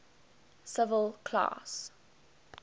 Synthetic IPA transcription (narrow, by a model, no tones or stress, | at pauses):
sɪvəlˠkʰla̰s